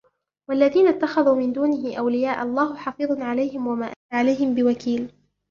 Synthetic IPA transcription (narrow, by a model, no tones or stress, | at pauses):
waʔlːaðiːnat̪ːaxaðuːmɪnd̪uːnɪɦɪʔawlɪjaːʔɑlˤːɑːɦʊħɑfɨːðˤnʕalajɦɪmwamaːʔaaʕalajɦɪmbɪwakiːl